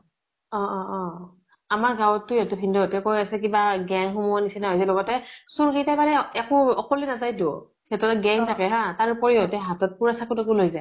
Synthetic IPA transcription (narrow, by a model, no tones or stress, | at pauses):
ɔ̃ɔ̃ɔ̃ | amaɹɡawtːʊjatʊpʰindɔtɛkojasɛk̬ibaɡɛŋxumuanisɛnaɦojs̬ɛlɔɡɔtɛsuɹɡejtabaɹɛɛkʊɔkɔlinazajdɔ | kɛtɔtɔɡɛŋtʰakɛɦãtaɹupɔɹijɔtɛɦatɔt̚puɹasakutɛkulojzaj